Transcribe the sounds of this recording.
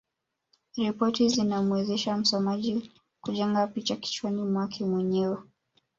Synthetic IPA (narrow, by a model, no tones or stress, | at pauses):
ɾipɔtizinamwɛzɛʃam̩sɔmaʄi | kuʄɛŋɡapit͡ʃaki̥t͡ʃuwanimwakʰɛmwɛɲɛwɛ